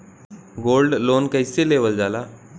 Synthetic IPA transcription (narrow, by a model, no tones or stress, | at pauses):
ɡolɖlonkəjseleʋəld͡zala